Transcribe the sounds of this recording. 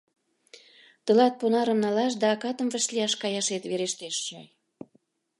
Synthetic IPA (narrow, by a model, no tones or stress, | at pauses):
t̪ə̆lɑt̪̚ponɑɾə̆mnɑlɑʃ̬d̪ɑːkɑt̪ə̆mvə̆ʃlʲiɑʃkɑjɑʃet̪βeɾeʃt̪eʃt͡ɕɑ̰j